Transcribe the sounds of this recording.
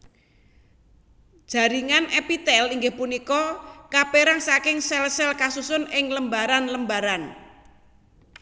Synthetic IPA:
dd̥ʒ̥a̤ɾiŋanʔɛpit̪ɛliŋɡɪhpunikɔkapeɾaŋsakɪŋsɛlsɛlkasusʊnɪŋləmbaɾanləmbaɾan

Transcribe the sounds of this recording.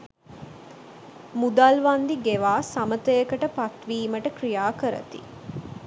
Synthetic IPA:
mud̪alʋand̪iɡeʋaːsamət̪əjəkəʈəpat̪ʋiːməʈəkrijaːkəɾə̰t̪ḭ

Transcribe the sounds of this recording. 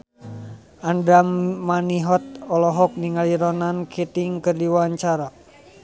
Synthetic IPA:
ʔandamaniɦɔt̪̚ɔlɔɦɔk̚niŋaliɾɔnankʰit̪iŋkɨrdiwaɲt͡ʃaɾa

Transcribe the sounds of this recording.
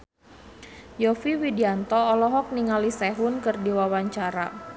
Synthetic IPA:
jɔfiwidiant̪ɔːlɔɦɔk̚niŋalisɛɦʊnkɨrdiwawaɲt͡ʃaɾa̰

